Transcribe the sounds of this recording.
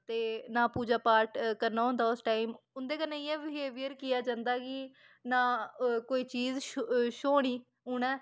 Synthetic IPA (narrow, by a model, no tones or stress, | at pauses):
t̪eːnãːpuːd͡ʒaːpaːɾʈkəɾnaːɦõːnd̪aːʊsʈaːimʊnd̪eːkənːẽĩːɛ̃ːʋɪɦeːʋiəɾkɪjaːd͡ʒãːnd̪aːkɪ | nãːkoːiːt͡ʃiːzʃʃoːɽ̃iː | ʊɳ̃ɛː